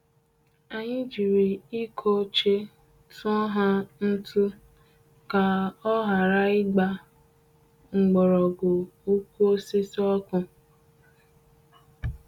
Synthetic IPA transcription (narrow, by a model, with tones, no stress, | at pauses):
a˨ɲɪ˦d͡ʒi˨ɾi˨i˦kʰo˦t͡ʃe˦ | tʊ˦ɔ˦ɦa˦n̩˦tu˦ | ka˨ɔ˦ɦa˨ɾa˦ɪ˦ɡ͡ba˦ | ŋ͡m̩˨ɡ͡bɔ˨ɾɔ˨ɡo˨u˦kʷu˦o˦si˦sɔ˦kʊ˦